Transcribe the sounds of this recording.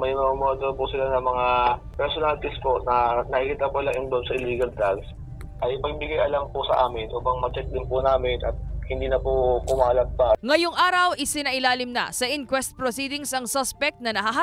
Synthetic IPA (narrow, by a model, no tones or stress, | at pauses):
mɐjmɐmɐmad̪oɾpʊsɪlanɐmɐŋa | pɛɾsonalt̪ɪspoʔnɐnɐʔikiːt̪apolaŋʔɪnb̪omsɐʔɪliːɡɐld̪ɾaɡs | ʔɐjpɐɡ̚bɪɡajʔɐlampʊsɐ̰ʔaːmɪnʔoːpɐŋmɐt͡ʃɛk̪̚d̪ɪnpʊnaːmɪnʔɐt̪̚hɪnd̪iːnɐpʊkʊmaːlɐt̪̚paŋɐjoŋʔaːɾɐwʔɪsɪnɐʔɪlaːlɪmnɐ̰sɐʔɪnkwɛst̪̚pɾosiːd̪ɪŋsɐŋsɐspɛk̚t̪̚nɐnɐɦɐɦa